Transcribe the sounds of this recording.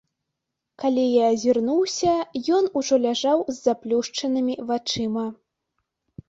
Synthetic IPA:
kalʲijaːzʲirnuwsʲɐjɔnuʐɔlʲaʐawzʲːaplʲuʂt͡ʂɐnɨmʲivat͡ʂɨmɐ

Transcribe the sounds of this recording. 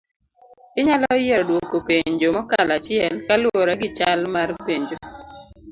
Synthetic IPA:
ɪɲalɔjɛɾdwokːopeɲd͡ʒomɔkalat͡ʃɪɛlkalwɔɾaɡɪt͡ʃalmarpeɲd͡ʒo

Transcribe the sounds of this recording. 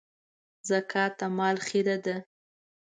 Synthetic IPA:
zakʰɑt̪amɑlxid̪ad̪a

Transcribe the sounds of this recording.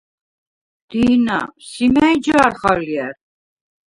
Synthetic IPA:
d̪̥iːna̰simæjd͡ʒaɾχaliæɾ

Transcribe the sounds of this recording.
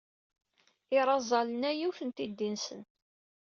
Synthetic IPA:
ɪɾˤɑzˤɑlənæjuθənt̪id̪ːinsən

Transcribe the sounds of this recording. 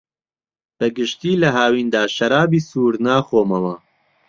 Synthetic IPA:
b̥ɛɡɨʃt̪iːlɐɦaːwiːnd̪aːʃɐɾaːbiːsuːɾnaːxoːmɐwɐ

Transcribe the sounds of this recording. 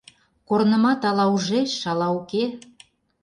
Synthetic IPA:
kornə̆mɑt̪ɑlɑuʒeʃʃɑlɑuke

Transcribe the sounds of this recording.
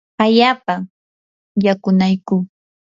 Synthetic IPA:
aʎaːpa | jakʊnajkʊ

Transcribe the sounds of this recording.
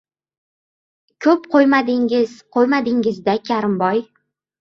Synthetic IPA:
kʲʰɵpqʰojmad̪ɪŋɪz̥qʰojmad̪ɪŋɪzd̪akʲʰaɾɪmbɒj

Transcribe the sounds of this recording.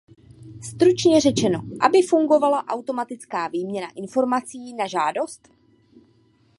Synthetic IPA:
st̪ɾut͡ʃɲɛr̝ɛt͡ʃɛno̞̰ʔa̰bɪfuŋɡo̞valaʔawt̪o̞mat̪ɪt͡skaːviːmɲɛnaʔɪnfo̞ɾmat͡siːnaʒaːdo̞st̪

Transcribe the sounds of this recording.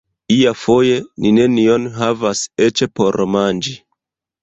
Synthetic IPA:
iafo̞je̞nine̞nio̞nɦavase̞t͡ʃepo̞ɾmand͡ʒi

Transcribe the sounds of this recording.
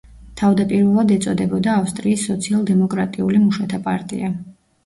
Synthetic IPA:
t̪ʰavd̪apʼiɾvɛlˠad̪ɛt̪sʼɔd̪ɛbɔd̪aːfst̪ʼɾiːsːɔt̪sʰialˠd̪ɛmɔkʼɾat̪ʼiulimuʃat̪ʰapʼa̰ɾt̪ʼḭa

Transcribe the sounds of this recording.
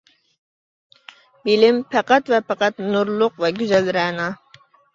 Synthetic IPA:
bilɪmpʰæqɑt̪vɛpɑqɑt̪nuɾlˠʊqvɛɡʲyzɛlɾɛnɑ

